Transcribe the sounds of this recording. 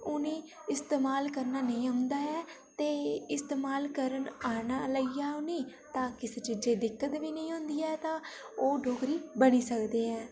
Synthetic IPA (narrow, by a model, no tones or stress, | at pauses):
ʊnẽː | ɪst̪eːmaːlkəɾnaːnəĩːɦãnd̪aːɛː | t̪eːɪst̪eːmaːlkəɾənaːnaːləiːaːʊniː | t̪ãːkɪseːt͡ʃɪd͡ʒeːd̪ɪkːət̪ʋiːnə̃ĩːʊ̃ːnd̪iːɛːt̪ãː | oːɖʱoːkɾiːbəniːsəkd̪eːɛ̃ː